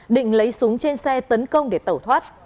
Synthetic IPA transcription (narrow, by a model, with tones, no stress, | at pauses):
ɗḭ̈˧˨ŋ̟lə˨˦jsu˨˦əŋt͡ɕe˧nsɛ˧t̪ə˨˦nkə˧wŋ͡mɗe˧˩t̪ə˧˩wt̪ʰwaː˦˥t̚